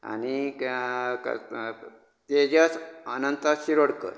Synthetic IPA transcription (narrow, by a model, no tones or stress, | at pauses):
a̰ñi | k | t̪ed͡ʑət͡sənənt̪aɕiɾoɽkə̰ɾ